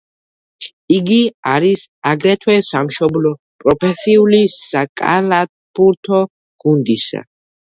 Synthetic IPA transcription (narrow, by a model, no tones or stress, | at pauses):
iɡiaɾisaɡɾɛt̪ʰwɛsamʃɔblɔ | pʼɾɔpʰɛsiulisakʼa̰lat̪̚buɾt̪ʰɔ | ɡ̥und̪isa̰